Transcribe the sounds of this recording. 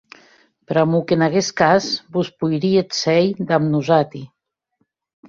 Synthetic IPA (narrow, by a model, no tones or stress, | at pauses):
pɾamukenaɣeskazbuspujɾiet̪sɛjd̪amnuzat̪i